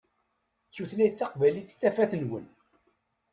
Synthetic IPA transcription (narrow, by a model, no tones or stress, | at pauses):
t͡sːuθlæjθɑqvæliθθːæfæθnwə̰n